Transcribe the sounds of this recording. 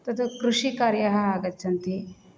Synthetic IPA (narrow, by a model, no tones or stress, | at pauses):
t̪ɐt̪ukɾuʂikaːɾjɐɦɐaːɡɐt̪ːt͡ʃʰɐnt̪i